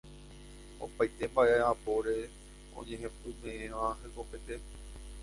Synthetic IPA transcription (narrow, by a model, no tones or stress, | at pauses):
o̰pajt̪embaeapoɾe | o̰ɲeɦẽpumẽẽʋãɦekopet̪e